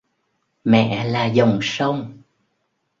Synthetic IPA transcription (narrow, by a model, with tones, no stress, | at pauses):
mɛ̰˧˨laː˨˩zə˨˩wŋ͡msə˧wŋ͡m